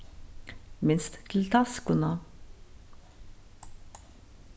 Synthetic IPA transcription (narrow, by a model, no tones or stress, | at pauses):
mɪnst̪ːʰɪl̩t̪ʰɑskʊnɑ